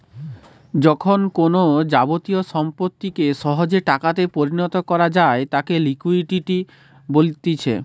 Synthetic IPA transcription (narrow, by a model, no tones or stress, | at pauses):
d͡ʑɔkʰonkonod͡ʑabot̪ioʃɔmpot̪ːikeʃɔɦod͡ʑeʈakat̪epoɾinɔt̪okɔɾad͡ʑaet̪akelikuiʈiʈi | bolt̪it͡ɕʰḛ